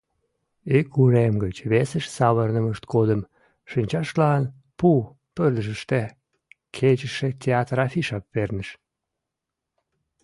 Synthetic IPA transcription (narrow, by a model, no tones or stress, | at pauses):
ikuɾemɡət͡ɕβesəʃsɑβərnəməʃt̪kod̪əm | ʃənʲt͡ɕɑʃlɑn | pu | pərd̪əʒəʃt̪e | kʰet͡ɕəʃet̪ʲeɑt̪rɑfiʃɑp̚vernəʃ